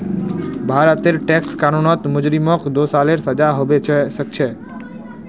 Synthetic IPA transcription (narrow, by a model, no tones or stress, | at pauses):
bʱaɾət̪eɾʈekskaɾunɔt̪mʊd͡ʒɾimɔkd̪osaleɾsəd͡ʒaɦoʋet͡ʃʰʃək̚t͡ʃʰe